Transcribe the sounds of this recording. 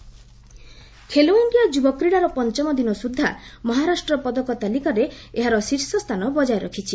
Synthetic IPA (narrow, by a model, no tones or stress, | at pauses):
kʰelounɖijad͡ʒubɔkɾiɽaɾɔpɔnt͡ʃɔmɔd̪inɔsud̪ʱːamɔɦaɾasʈɾɔpɔd̪ɔkɔt̪alikaɾeeɦaɾɔsiɾsɔst̪ʰanɔbɔd͡ʒajɾɔkʰit͡ʃʰi